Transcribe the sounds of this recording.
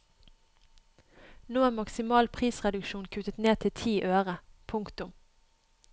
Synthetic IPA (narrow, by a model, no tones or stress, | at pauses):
noːæːmɑksɪmɑːlpʰʁiːsʁɛd̪ʉkʃuːnkʰʉt̪ət̪neːt̪ʰɪt̪ʰiːʔøːʁəpʰʊŋkt̪ʊm